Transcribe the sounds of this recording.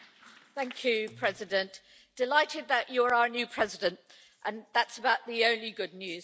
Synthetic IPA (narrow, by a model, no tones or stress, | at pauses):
θæ̃ŋkʰjʉpʰɹ̥ɛzɪdə̃nʔ | d̥ɪlaɪtʰɪd̪̚ðət͡ʃəɹaʊənjʉːpʰɹ̥ɛzɪdə̃nt | ʔə̃nðatsəbaʊʔðiə̃ʊ̃nliɡʊdⁿnjʉːz̥